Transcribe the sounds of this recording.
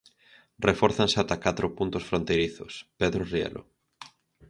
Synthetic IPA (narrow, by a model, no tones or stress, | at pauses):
refɔɾθanseat̪akat̪ɾʊpunt̪ʊsfɾont̪ejɾiθʊspeðɾoriḛlʔo̰